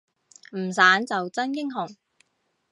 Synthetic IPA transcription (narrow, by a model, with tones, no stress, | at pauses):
m̩˨˩saː˨˥nt͡sɐ˨wt͡sɐ˥nkɪ˥ŋɦʊ˨˩ŋ